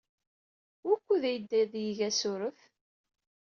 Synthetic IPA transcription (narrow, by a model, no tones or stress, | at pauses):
wækʷːuðæjəd̪ːæðjiʝæsʊɾəf